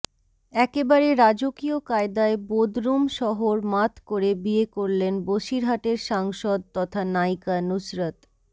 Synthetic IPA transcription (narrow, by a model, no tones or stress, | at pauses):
ɛkebaɾeɾad͡ʑokiokaed̪aebod̪ɾumʃɔɦoɾmat̪ʰkoɾebiekoɾlenboʃiɾɦaʈeɾʃaŋʃod̪̚t̪ɔt̪ʰanajkanusɾat̪